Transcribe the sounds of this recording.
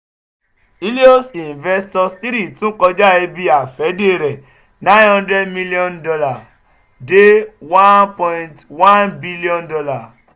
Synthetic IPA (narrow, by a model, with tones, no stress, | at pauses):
i˦li˦o˦sĩ˨n˨vɛ˧stɔ˧sti˦ɾi˦˨tũ˦kɔ˧d͡ʒa˦e˧bi˧a˨fɛ˨˦de˦˨ɾɛ˨ | nã˦hɔ̃˦ndɾɛ˦dmi˧li˦ɔ̃˦ndɔ˧la˨ | de˦wã˦npɔ̃˧ĩntwã˦nbi˦li˦ɔ̃˦ndɔ˧la˨